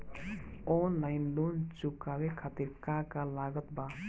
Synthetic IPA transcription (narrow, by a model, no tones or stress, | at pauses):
ɔnlaɪnlont͡ʃukawekʰat̪iɾkakalaɡət̪ba